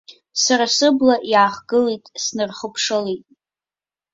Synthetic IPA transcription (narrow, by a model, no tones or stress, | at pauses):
saɾasɨblaʔjaːχɡɨlejtʼsnɨrχəpʰʂɨlejtʼ